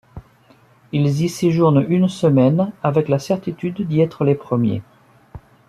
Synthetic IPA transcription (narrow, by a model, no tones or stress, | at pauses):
ilziseʒuʁnynsəmɛnavɛklasɛʁt̪it̪yd̪ːiɛt̪χəlepχəmjḛ